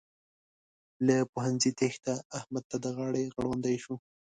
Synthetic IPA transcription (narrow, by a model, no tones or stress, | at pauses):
ləpʊhanzit̪ext̪aːhmad̪̚t̪ad̪əɣɑɽeɣəɽwand̪ajʃu